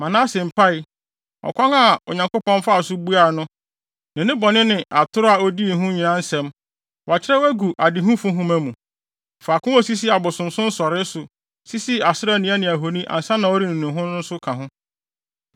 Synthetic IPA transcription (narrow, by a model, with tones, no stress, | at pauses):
mã˨nã˦sɪ̃˨m̩˨pʰa˦ɪ˨ | ɔ̰˨kʰʷɔ̃˦ŋa˨o̰˨ɲã˨ŋkʊ˦pɔ̃˦n˦fa˦˨sʊ˦bu˦a˨nʊ̃˦ | nɪ̃˨nɪ̃˦bɔ˨nɪ̃˦nɪ̃˨ʔa˨tʰʊ˦ɾʊ˦a˨o˦di˦˨ɦʊ̃˦ɲĩ˨nã˦n̩˦sɛ̃˦m | wa˨t͡ɕʰɪ˦ɾɛ˦wæ˦ɡu˨ʔa˨dɪ˨ɦũ˦fʊ̃˦ɦʊ̃˦mæ̃˦mũ˨ | fa˨kʊ̃˦ɔ˦si˦s̬i˦a˨bʊ˨sʊ̃˨m˨sʊ̃˦n̩˦sɔ˨ɾɪ˦sʊ˨ | si˦si˦a˨sɪ˦ɾa˦˨nĩ˦æ˦nɪ̃˨æ˨ɦo˨nĩ˦ʔã̰˨n̩˨sã˦nã˨o˦ɾi˦nɪ̃˨nʊ̃˨ɦʊ̃˦n˦ʊ̃˦n̩˦sʊ˦kʰã˨ɦʊ̃˦